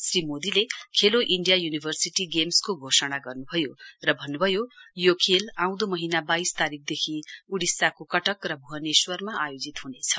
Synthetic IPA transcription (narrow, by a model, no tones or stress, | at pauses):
srimod̪ilekʰeloʔiɳɖijajunibʱʌrsiʈiɡemskoɡʱosʌɽ̃aɡʌrnubʱʌjorʌbʱʌnːubʱʌjojokʰelãw̃d̪omʌɦinabajst̪aɾik̚ʰd̪ekʰiuɽisakokʌʈʌkrʌbʱuɦʌneswʌrmaajod͡zit̪ɦunet͡sʰʌ̥